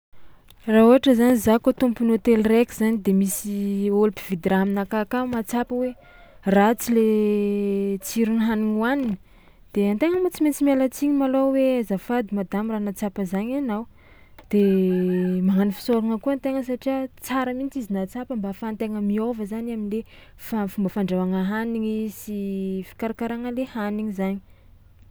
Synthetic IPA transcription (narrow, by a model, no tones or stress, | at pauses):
raɦuaʈ͡ʂəzanizakot̪umpunot̪elrekʲiz̥anid̪emisiolupiv̥id̪ɾaminakakamat͡sapəwe | rat͡sile | t͡siɾunɦaninuaninə | d̪̥eant̪eŋəmut͡siment͡simalat͡siɲimaloweazafad̪imad̪amiranat͡sapəzaɲanaw | d̪̥e | maŋanifi̥soɾaŋəkuant̪eŋəs̬aʈ͡ʂiat͡saɾəmint͡sizinat͡sapəmbafant̪eŋəmiovəzanaminle | fafumbəfaɳɖ͡ʐavaŋəɦaniŋisifi̥kaɾakaɾaŋəlehaniŋizaɲi̥